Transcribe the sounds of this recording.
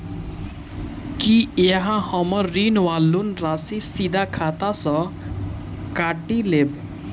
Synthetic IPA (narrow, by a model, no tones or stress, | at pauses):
kieɦãhɔmɔɾːinwalːunɾasisid̪akʰat̪asɔ | kaʈileb